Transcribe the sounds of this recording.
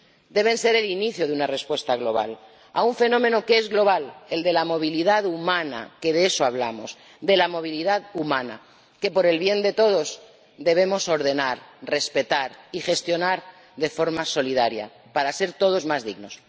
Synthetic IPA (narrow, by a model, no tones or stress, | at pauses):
d̪e̞β̞e̞nse̞ɾe̞liniθjoðeunare̞spwe̞st̪aɣlo̞βa̰l | a̰uɱfe̞nõ̞me̞nokee̞zɣlo̞β̞ale̞ld̪e̞lamo̞β̞iliðaðumãna̰ke̞ðeesoaβ̞la̰mo̞s | d̪e̞lamo̞β̞iliðaðumãna̰ | ke̞po̞ɾe̞lβje̞nd̪e̞t̪o̞ð̞o̞z | d̪eβ̞e̞mo̞so̞ɾð̞e̞naɾre̞spe̞t̪aɾixe̞st̪jo̞naɾ | ðe̞fo̞ɾmaso̞lið̞aɾja̰ | paɾase̞ɾt̪o̞ð̞o̞zmazðiɣno̞s